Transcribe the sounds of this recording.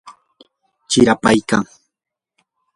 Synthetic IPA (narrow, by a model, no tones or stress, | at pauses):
t͡ʃɪɾapajka̰ŋ